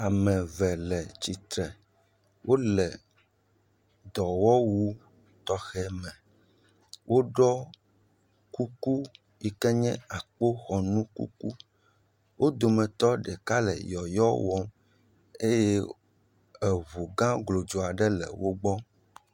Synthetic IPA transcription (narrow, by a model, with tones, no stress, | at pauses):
a˨mɛ̃˨vɛ˨lɛ˨t͡ɕi˨t̪ɾɛ˨ | wʔo˦lɛ˨ | d̪ɔ˨wɔ˦wu˦ | t̪ɔ˦xɛ˦mɛ̃˨ | wʔo˦ɖɔ˦ | ku˦ku˦ | ji˦kɛ˦ɲɛ̃˦a˨k͡po˦xɔ˨nũ˦kṵ˦ku˦ | wʔo˦d̪o˨mɛ̃˨t̪ɔ˦ɖɛ˨ka˦lɛ̰˨jɔ˨jɔ˦wɔ˦m | e˦jɛ˦ | ɛ˨βu˨ɡã˦ɡlo˨d͡ʒo˨a˨ɖɛ˦lɛ̰˨wo˦ɡ͡bɔ˦